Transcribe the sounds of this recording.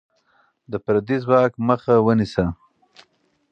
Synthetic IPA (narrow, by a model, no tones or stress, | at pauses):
d̪əpɾad̪izwɑːkməxawənisa